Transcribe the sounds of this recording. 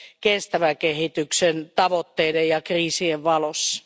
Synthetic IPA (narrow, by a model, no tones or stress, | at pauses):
kest̪æʋækehit̪yksent̪ɑʋot̪ːeidejjɑkriːsieʋʋɑlosːɑ̥